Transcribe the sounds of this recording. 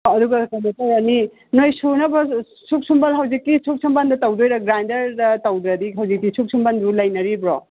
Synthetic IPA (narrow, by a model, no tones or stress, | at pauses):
ɐduɡɐkɐnɐtaɾɐni | nojsunɐbɐ | suk̚sumbalɦaɐwzikːisʰuk̚sʰumbandɐtɐwdojɾɐɡɾandɐɾdɐtɐwd̪ɾɐdiɦɐwzik̚ːisʰuk̚sʰumbanbulɐjnɐɾibɾɔ